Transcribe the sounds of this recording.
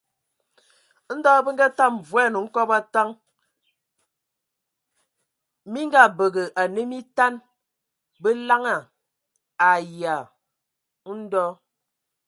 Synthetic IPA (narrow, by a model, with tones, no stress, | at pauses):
n̩˦dɔ˦bə˦ŋ̩˦ɡa˦ta˦˨m˨vwɛ˦˨no˨ŋ̩˦kɔ˦pa˦ta˦ŋ | mi˦ŋ˦ɡa˦˨bə˨ɣə˨ʔa˨ne˦mi˦ta˦n | bə˦la˦ŋa˨ | a˨ja˨˦ | n̩˦dɔ˦